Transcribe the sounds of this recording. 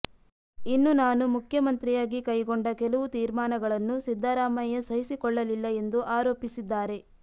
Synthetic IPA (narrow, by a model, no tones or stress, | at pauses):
inːunaːnumukʰjɐmɐnt̪ɾijaːɡikɐjɡɔɳɖɐkɛlɐʋut̪iːɾmaːnɐɡɐɭɐnːusid̪ʱːaːɾaːmɐjɐsɐɦisikɔɭːɐlilːɐe̞nd̪uʔaːɾoːpisid̪ːaːɾe̞